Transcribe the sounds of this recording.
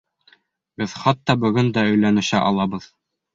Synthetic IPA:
bɘðχɑt̪ːɑbɵ̆ɡɵnd̪æɵ̆jlænɘ̆ɕæʔɑ̰lˠɑβɤð

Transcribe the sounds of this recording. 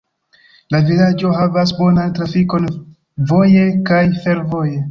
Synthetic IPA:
lavilad͡ʒo̞ɦavas̬bo̞nantɾafiko̞n | vo̞je̞kajfe̞ɾvo̞je̞

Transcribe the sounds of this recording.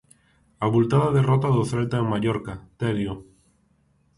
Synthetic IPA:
aβult̪aðaðerɔt̪aðoθelt̪aemaʎoɾkat̪eɾjo

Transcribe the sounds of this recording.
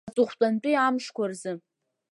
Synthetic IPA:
tʼʊχʷtʷʼant͡pʼijamʂkʷarzɨ

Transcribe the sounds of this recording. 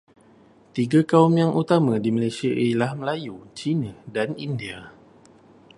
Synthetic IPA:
t̪iɡakaumjaŋʔut̪amãdimalajsiaʔilahməlajut͡ʃinadanindia

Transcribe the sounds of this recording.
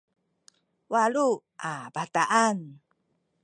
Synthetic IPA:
waluʔabataʔan

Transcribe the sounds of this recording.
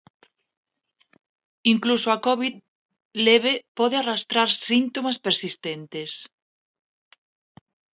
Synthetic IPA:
iŋklusoakɔβið | leβ̞epɔðearast̪ɾaɾsint̪omaspeɾsist̪ent̪es

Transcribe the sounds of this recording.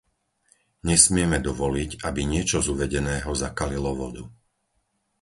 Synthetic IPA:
ɲɛsmɪɛmɛd̪ɔʋɔliɟabiɲɪɛt͡ʃɔzuʋɛɟɛnɛːɦɔzakalilɔʋɔd̪u

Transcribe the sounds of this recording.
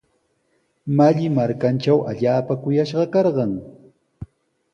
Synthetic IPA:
maʎɪmaɾkant͡ʃawʔaʎaːpakʊjaʃɢɑkɑɾɢɑŋ

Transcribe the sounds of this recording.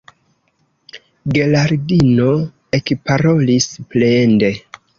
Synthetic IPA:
ɡe̞laɾdino | e̞kpaɾo̞lisplende̞

